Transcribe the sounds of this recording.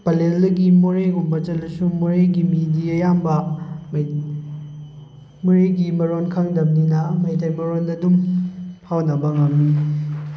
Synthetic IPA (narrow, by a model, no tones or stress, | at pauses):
pɐlelːɐɡimoɾeɡumbɐt͡ʃɐlɐsumoɾeɡimidiɐjambɐm | moɾeɡimɐɾonkʰɐŋdɐmninɐmɐjtajmɐɾonɐdumhawnɐbɐŋɐmni